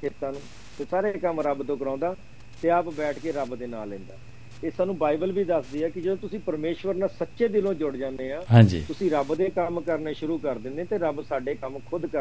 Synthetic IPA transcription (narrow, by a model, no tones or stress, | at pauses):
kʰeːt̪aːnũː | t̪eːsaːɾeːkəmɾəbt̪õːkəɾãːnd̪aː | t̪eːəpbɛːʈʰkeːɾəbd̪eːna̰ːlːɪ̃ːnd̪a̰ː | t̪esaːnũːbaːibəlbiːd̪əsd̪iːɛːkɪd͡ʒəd̪õːt̪ʊsĩːpəɾmeːʃʋəɾnaːsətːʃeːd̪ɪlõːd͡ʒʊɽd͡ʒãːnd̪eːɦãːɦãːd͡ʒḭːt̪ʊsĩːɾəbd̪eːkəmkəɾneːʃʊɾuːkəɾd̪ɪ̃nd̪ẽːt̪eːɾəbsaːɖeːkəmkʰʊd̪kə